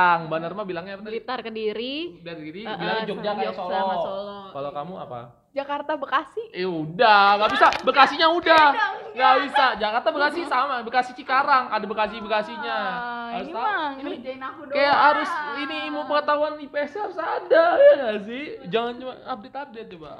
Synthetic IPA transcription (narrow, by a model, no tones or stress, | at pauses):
ŋbanarmabilaŋɲalit̪arkəndiɾidarɡiɾibilaŋɲad͡ʒɔd͡ʒankiasolɔasolɔkalokamua̰pa̰ | d͡ʒakart̪abəkasɪhɛudahŋɡaʔbisabəkasiɲaudahŋɡabisad͡ʒakart̪abəkasisamabəkasɪht͡ʃikaɾaŋadabəkasibəkasiɲaasaiid͡ʒainakudkajaɦaɾʊsinimupəŋət̪aɦuanipesaaɾʊsadajaɡas̬ɪd͡ʒaŋant͡ʃuaap̚dɪt̪ap̚dɪt̪̚d͡ʒuba̰